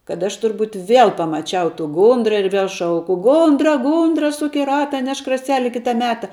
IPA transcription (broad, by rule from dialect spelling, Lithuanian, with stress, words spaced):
kɐt ˈɐʃ tʊrˈbuːt ʋʲeːlˠ pɐmɐˈt͡ʃʲɛʊ tuː ˈɡʊndrɐ ɪr ʋʲiɛlˠ ˈʃɐʊkʊ ˈɡʊndrɐ ˈɡʊndrɐ ˈsʊk ɪ ˈrɑːtɐ ˈnʲɛʃk rɐˈsʲæːlʲɪ ˈkʲɪtɐ ˈmʲæːtɐ